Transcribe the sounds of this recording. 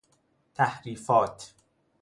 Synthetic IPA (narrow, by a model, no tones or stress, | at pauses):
t̪ʰæhɾiːfɒːt̪ʰ